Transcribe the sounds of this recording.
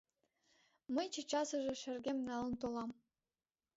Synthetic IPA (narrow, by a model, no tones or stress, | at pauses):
mə̆jt͡ɕɤ̆t͡ɕɑsɤ̆ʒĕʃɘ̆rɡʲemnɑlˠɤ̆nt̪olˠɑm